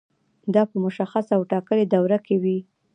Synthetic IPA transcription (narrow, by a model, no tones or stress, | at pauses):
d̪ɑpəmʊʃaxasawʈɑkəled̪awɾakewi